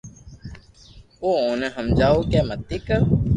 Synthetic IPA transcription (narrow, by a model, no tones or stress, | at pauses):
oːoːneɦəmd͡ʒaːoːkɛːmət̪ːikə